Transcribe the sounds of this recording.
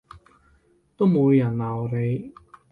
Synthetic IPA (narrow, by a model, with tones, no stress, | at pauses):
t̪o˥wmu˨˧wjɐ˨˩nlaː˨˩ɔ˨˧le˨˧j